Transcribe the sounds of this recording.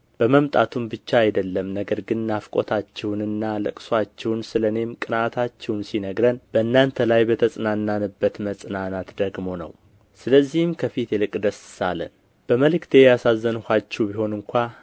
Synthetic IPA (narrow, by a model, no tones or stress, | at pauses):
b̥əməmt̪ʼat̪ʰumbɨt͡ʃːaːjd̪əlːəmnəɡəɾɡɨnːafkʼo̞̰t̪ʰat͡ʃːɛwnɨnːalɨ̰kʼswat͡ʃːɛwnsɨləne̞mkʼɨnat̪ʰat͡ʃːɛwnsinəɡɾənb̥əɨnːant̪ʰəlajbət̪ʰəsʼnanːanɨbːət̪məsʼɨnanat̪d̪əɡmo̞nə̰w | sɨləzːihɨmkʰəfit̪ʰjɛlɨkʼd̪əsɨsa̰lə̰n | b̥əməlɨkt̪ʰe̞jasazːənhʷat͡ʃːɛwbiho̞nɨŋkʷa